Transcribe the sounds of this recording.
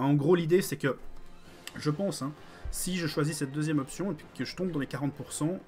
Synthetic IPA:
ɑ̃ɡʁolid̪esɛkə | ʒəpɑ̃sɛ̃ | siʒəʃwazisɛt̪̚d̪øzjɛmɔpsjɔ̃epɥikəʒət̪ɔ̃b̚d̪ɑ̃lekaʁɑ̃t̪̚puʁsɑ̃

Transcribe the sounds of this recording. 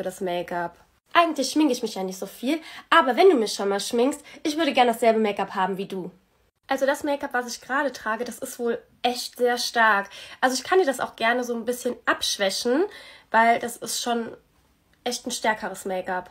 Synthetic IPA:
dasmɛɪkap | ʔaɪɡŋ̩tlɪçʃmɪŋəɪçmɪçjaːnɪçtz̥oːfiːlʔaːbɐvɛnduːmɪçʃonmaːlʃmɪŋstʔɪçv̥ʏɐɾəɡɛɐnədasz̥ɛlbəmɛɪkaphaːbm̩viːduː | ʔalzoɾdasmɛɪkapv̥asɪçɡ̥əʁaːɾətʁ̥aːɡədasɪstv̥oːl | ʔɛçtz̥eːɐʃtaɐkʔalzoɪçkʰandiːɐdasa̰ʊxɡ̥ɛɐnəzoːnbɪsçənʔapʃv̥ɛçn̩vaɪldasɪstʃoːn | ʔɛçtn̩ʃtɛɐkʰəʁ̞əsmɛɪkap

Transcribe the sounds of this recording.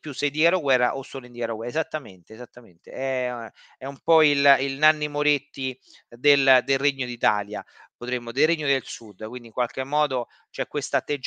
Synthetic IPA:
pjusːed̪ikaɾoɡwɛrːa̰ʔosːolind̪ikaɾoɡwɛezat̪ːament̪eːzat̪ːament̪ḛɛ | ɛumpɔililnanːimoɾet̪ːi | d̪eld̪elreɲːod̪it̪a̰ːljapot̪ɾemːod̪elreɲːod̪elsud̪ːkwind̪iŋkwalk̟emːɔːd̪o | t͡ʃɛkːwest̪aːt̪ːed͡ʒ

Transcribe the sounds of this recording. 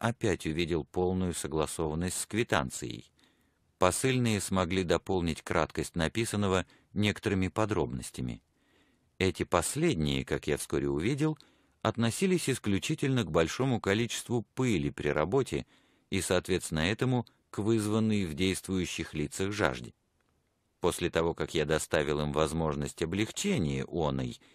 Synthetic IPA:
ɐpʲætʲʊvʲidʲɪlˠpo̞lˠnʊjʊsəɡlˠɐso̞vənːəsʲtʲskvʲɪt̪a̰nt̪sɨ̰jə̰j | pɐsɨlʲnɨjəsmɐɡlʲid̪ɐpo̞lˠnʲɪtʲkɾa̰t̪kəsʲtʲnɐpʲisənːəvə | nʲe̞kə̥t̪əɾɨmʲɪpɐd̪ɾo̞bnəsʲtʲɪmʲɪ̰ | ɛtʲɪpɐsʲlʲedʲnʲɪ̰jə̰kakjafskoɾʲɪ̰ʊvʲidʲɪlˠ | ɐt̪nɐsʲilʲɪsʲɪsklʲʉt͡ɕitʲɪlʲnəɡ̚bɐlʲʂo̞mʊkɐlʲit͡ɕɪ̥st̪vʊpɨlʲɪpɾʲɪ̰ɾɐbo̞tʲɪ̰ | isɐːt̪vʲe̞t̪st̪ʲɪnəɛt̪əmʊ | kvɨzvənːɨjvdʲejst̪vʊjʉɕːɪxlʲit̪səɣʐa̰ʐdʲɪ | po̞sʲlʲɪt̪ɐvo̞kakjad̪ɐst̪avʲɪlˠimvɐzmo̞ʐnəsʲtʲɐblʲɪxt͡ɕenʲɪjə̰ʔonə̰j

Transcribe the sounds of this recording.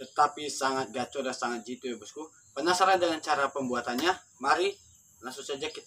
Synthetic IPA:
t̪ət̪apisaŋat̪̚ɡat͡ʃ̪ʊdansaŋat̪̚d͡ʒit̪ujabəsku | pənasaɾandəŋant͡ʃaɾapəmbuat̪anɲa | maɾi | laŋsʊŋsad͡ʒaki

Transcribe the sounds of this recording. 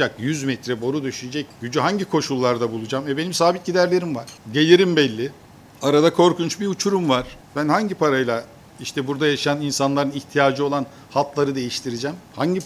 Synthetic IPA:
akjyzmɛt̪ʰɾɛbo̞ɾud̪yʃyd͡ʒɛcɟ̥yd͡ʒyɦaɲɟikʰo̞ʃulˠːaɾd̪abulˠud͡ʒamɛbe̞nimsaːbit̪̚ɟid̪æɾlʲe̞ɾimvaɾ̥ɟe̞lʲiɾimbɛlʲːɪ | aɾad̪akʰo̞ɾkʰunt͡ʃbiut͡ʃʰuɾumvaɾ̥bænhaɲɟipʰaɾajlˠa | iʃt̪ʰɛbuɾd̪ajaʃjaninsanlˠaɾɯniçt̪ʰijaːd͡ʒɯo̞lˠan | halˠt̪lˠaɾɯd̪e̞jiʃt̪ʰiɾid͡ʒɛmhaɲɟi

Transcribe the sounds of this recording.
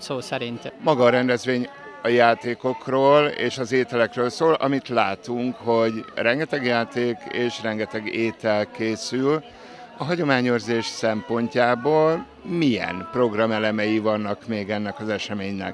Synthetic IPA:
soːsɛɾint̪mɒɡɒɾɛnd̪ɛzʋeːɲ | ɒjaːt̪eːko̞kroːlḛːʃɒzeːt̪ɛlɛkrøːlsoːlʔɒmit̪laːt̪uŋkho̞ɟrɛŋɡɛt̪ɛɡjaːt̪eːkeːʃrɛŋɡɛt̪ɛɡeːt̪ɛlkeːsyl | ɒɦɒɟo̞maːɲøːrzeːʃsɛmpo̞ɲcaːboːl | mijɛ̰npro̞ɡrɒmɛlɛmɛjivɒnːɒkmeːɡɛnːɛkɒzɛʃɛmeːɲnɛ̰k

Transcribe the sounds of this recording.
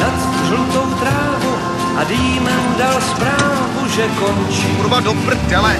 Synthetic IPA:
nat̪st̪rlut̪o̞wt̪ɾaːvu | ʔadiːmɛndalspɾaːvvuʒɛkont͡ʃiuɾbadopɾ̩t̪kɛlɛ

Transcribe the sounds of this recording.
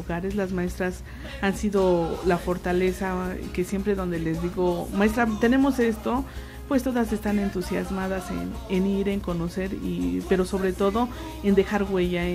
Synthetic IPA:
uɣaɾe̞zlazmae̞st̪ɾas | ansiðo̞lafo̞ɾt̪ale̞sake̞sje̞mpɾe̞ðo̞nd̪e̞le̞zðiɣo̞maes̬t̪ɾat̪e̞ne̞mo̞se̞st̪o̞ | pwe̞st̪o̞ðas̬e̞st̪ane̞nt̪usjazmaðase̞̰neniɾe̞ŋko̞no̞se̞ɾḭpe̞ɾo̞so̞βɾe̞t̪o̞ðo̞ | e̞nd̪e̞xaɾɣwe̞ʝa

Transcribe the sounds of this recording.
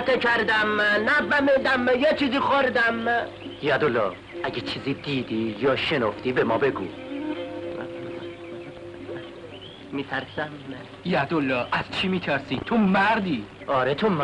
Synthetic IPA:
t̪ʰekʰæɾd̪æmːænæbæmed̪æmjet͡ʃʰiːziːxoɾd̪æmː | jæd̪olːɒː | æɡet͡ʃʰiːziːd̪iːd̪ijɒːʃenoft̪iːbemɒːbeɡṵː | mit̪ʰæɾsæm | jæd̪olːɒːʔæz̥t͡ʃʰimiːt̪ʰæɾsiːt̪ʰomæɾd̪iːɒːɾet̪ʰom

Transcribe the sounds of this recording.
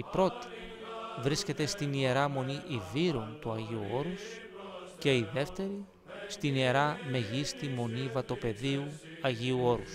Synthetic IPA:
ipɾo̞t̪i̥ | vɾisce̞t̪e̞st̪inie̞ɾɐmo̞niʔiviɾo̞nt̪uɐʝiuo̞ɾus | ce̞iðe̞ft̪e̞ɾi | st̪inie̞ɾɐme̞ʝist̪imo̞nivɐt̪o̞pe̞ðiuɐʝiuo̞ɾus

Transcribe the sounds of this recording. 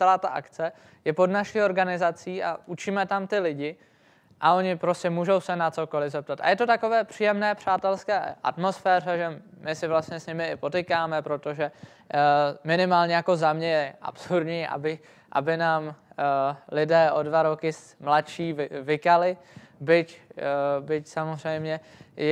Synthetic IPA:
t͡sɛlaːt̪aʔakt͡sɛ | jɛpo̞dnaʃiːo̞ɾɡanɪzat͡siːʔa̰ut͡ʃimɛt̪amt̪ɪlɪɟɪ | ʔao̞ɲɪpɾo̞scɛmuːʒo̞wsɛnat͡so̞ko̞lɪzɛp̚t̪at̪a̰jɛt̪o̞t̪ako̞vɛːpr̝̥iːjɛmnɛːpr̝̥aːt̪ɛlskɛ̰ːʔa̰t̪mo̞sfɛːr̝ɛʒɛmɪsɪvlast̪ɲɛsɲɪmɪɪpo̞t̪ɪkaːmɛpɾo̞t̪o̞ʒɛ | mɪnɪmaːlɲɛjako̞zamɲɛjɛʔa̰psuɾd̪ɲiːʔa̰bɪ | ʔa̰bɪnaːm | lɪdɛːʔo̞dvaɾo̞kɪs | mlatʃiːvɪvɪkalɪ | bɪc | bɪcsamozr̝ɛjmɲɛ

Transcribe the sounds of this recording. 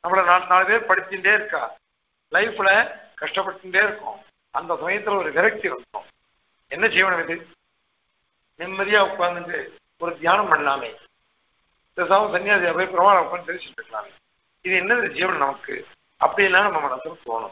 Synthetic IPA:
nɐmːɐɭɐnaːnaːlɐpeːɾpɐɽɪt̪ːɪɳɖeːɪɾɯkːaː | lɐɪfɪlɐkɐʂʈɐpːɐɽʈ̪ːɪɳɖeːɪɾɯkːʊ̰̃ | ɐnd̪ɐsɐmɐjɐt̪ːɪlɐɔɾɯʋɪɾɐk̚t̪iʋɐnd̪ʊ̰̃ | ɛnːɐd͡ʒiːʋɐnɐʋɪðɯ | nɪmːɐðɪjaːʊkːaːnd̪ɯndrɯ | ɔɾɯd̪jaːnɐmpɐɳlaːmḛ | d̪ɛsaːʋɐ̃sɐnːɪjaːsɐjaːpeːɾpɪɾɐmaːnɐmkːaːnsɐɾɯsɛpkːɐla̰ːn | ɪðɯɛnːɐndɐd͡ʒiːʋɐnnɐmɐkːɯ̰ | ɐpːɐɽɪjɪlːaːnɐmɐmːɐnɐsɐmt̪o̰ːɳʊ̰̃m

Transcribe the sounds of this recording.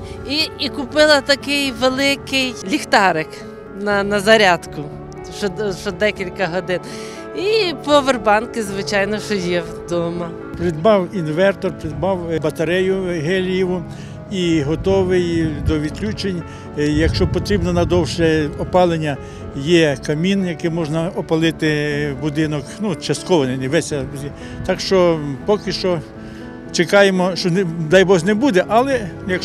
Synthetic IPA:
iikʊpɪlˠɐt̪ɐkɪjʋelˠɪkɪjlʲixt̪ɑɾɪk | nɐnɐzɐɾʲɑd̪kʊ | ʃt͡ʃɔʃt͡ʃɔd̪ɛkʲilʲkɐɦɔd̪ɪn | ipɔʋerbɑnkɪzʋɪt͡ʃɑjnɔʃt͡ʃɔjɛwd̪ɔmɐ | pɾɪd̪̚bɑwinʋɛrt̪ɔrpɾɪd̪̚bɑwbɐt̪ɐɾɛjʊɦɛlʲjiʋʊ | iɦɔt̪ɔʋɪjd̪ɔʋʲid̪̚klʲut͡ʃenʲ | jɐkʃt͡ʃɔpɔt̪ɾʲibnɔnɐd̪ɔwʃɛɔpɑlˠenʲːɐ | jɛkɐmʲinjɐkɪmɔʒnɐɔpɐlˠɪt̪ɪbʊd̪ɪnɔknut͡ʃɐst̪kɔʋɔnɪnɪʋɛsʲɐi | t̪ɑkʃt͡ʃɔpɔkɪʃt͡ʃɔ | t͡ʃekɑjemɔʃt͡ʃɔnd̪ɑjbɔxnɛbud̪ɛʔɐlˠɛjɐk

